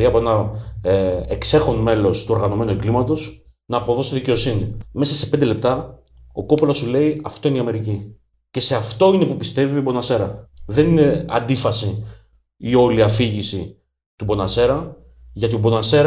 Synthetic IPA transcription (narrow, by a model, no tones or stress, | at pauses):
iɐpo̞enɐ | ekse̞xo̞nme̞lo̞st̪uo̞ɾɣɐno̞me̞nueɡlimɐt̪o̞s | nɐːpo̞ðo̞siðice̞o̞sinime̞sɐse̞pend̪e̞le̞p̚t̪ɐ | o̞̰ko̞plosule̞iɐft̪o̞iniɐme̞ɾici | ce̞se̞ɐft̪o̞ine̞pupist̪e̞viobo̞nɐse̞ɾɐðe̞nine̞ɐ̰nd̪ifɐsi | io̞liɐfiʝisi | t̪ubo̞nɐse̞ɾɐ | ʝɐt̪iobo̞nɐse̞ɾ